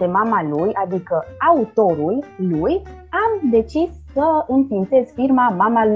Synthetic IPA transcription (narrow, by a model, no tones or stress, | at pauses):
e̞mamalujad̪ikəaut̪o̞ɾulluj | amd̪e̞t͡ʃisːəɨnfint̪e̞zfirmamamal